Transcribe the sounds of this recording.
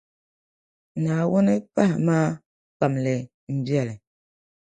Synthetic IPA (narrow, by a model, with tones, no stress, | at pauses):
na˨wɔ˦nɛ˦pa˦hma˦ | k͡pa˨mlɛ˨ | m̩˨bja˨lɛ˨